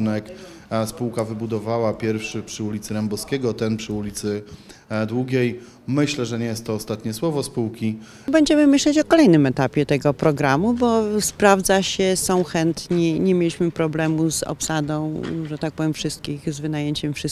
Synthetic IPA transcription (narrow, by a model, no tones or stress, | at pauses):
nɛk | spuwkavɘbud̪ɔvawapʲjɛɾfʂɘpʂɘulʲit̪sɘɾɛmbɔskʲɛɡɔt̪ɛnpʂɘulʲit̪sɘ | d̪wuɡʲej | mɘɕlɛʐɛɲɛjɛst̪ːɔːst̪at̪ɲɛswɔvɔspuwkʲi | bɛɲd͡ʑɛmɘmɘɕlɛt͡ɕɔkɔlɛjnɘmɛt̪apʲjɛt̪ɛɡɔpɾɔɡɾamubɔspɾavd̪zaɕɛsɔ̃w̃xɛnt̪ɲiɲɛmʲjelʲiɕmɘpɾɔblɛmuzɔ̰psad̪ɔ̃w̃ʐɛt̪ak̚pɔvʲjɛmfʂɘst̪̚kʲixzvɘnajeɲt͡ɕɛmfʂɘ